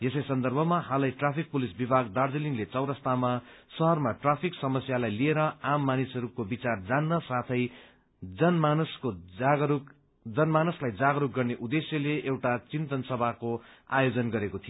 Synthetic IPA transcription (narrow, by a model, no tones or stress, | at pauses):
jesʌjsʌnd̪ʌrbʱʌmahalajʈrapʰik̚pulisbibʱaɡd̪ard͡zeliŋlet͡sʌwɾʌst̪ʰamasʌɦʌrmaʈrapʰiksʌmʌsjalajlieɾʌamːanisʌɾukobit͡sard͡zanːʌsat̪ʰʌj | d͡zʌnmanuskoɡɾuk | d͡zʌnmanuslajd͡zaɡʌɾuk̚ɡʌrneʔud̪esjʌleʔewʈat͡sint̪ʌnsʌbʱakoa̰jod͡zʌnɡʌɾekot̪ʰijo